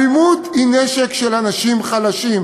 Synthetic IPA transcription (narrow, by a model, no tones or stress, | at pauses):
imut̪ineʃekʃelanaʃimχalaʃim